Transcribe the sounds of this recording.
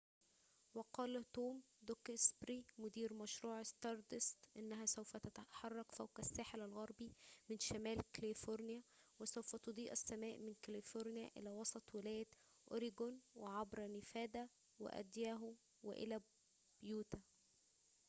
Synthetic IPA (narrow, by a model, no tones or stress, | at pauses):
wɑqɑːlæt̪oːm | d̪okɪsbɾiːmʊd̪iːɾmæʃɾuːʕɪst̪ɑɾˤd̪ɪst̪ʔɪnːæɦæsæwfæt̪æt̪aħɑrˤːɑqfæwqæsːaːħelælɣɑɾˤbimɪnʃæmæːlkælifoɾnɪjæ | wɪsæwfæt̪od̪ˤiːʔæsːæmæːʔmɪnkælifoɾnɪjæʔɪ̰læːwɑsˤɑt̪ˤwɪlæːjæt̪ | ʔoɾiɡonweʕɑbɾɑnɪfæːd̪æ | wɪ̰ʔæ̰d̪jæːɦʊ | wɪ̰ʔḛlæ | b̥juːt̪æ